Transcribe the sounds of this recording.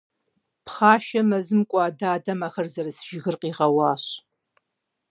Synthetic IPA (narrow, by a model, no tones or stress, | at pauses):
pχaːʃɐmɐzɨmkʷʼɑːdaːdɐmaːxɐrzɐrɨsʒɪɣɨrqiːʁɐwɑːɕ